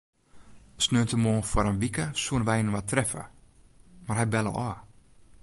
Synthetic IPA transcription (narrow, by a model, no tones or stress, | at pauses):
snøːəntəmoːfwɔɾənʋikəsuənʋɛjnəʋatrɛfə̰ | marhɛjbɛlˠə̰ɔː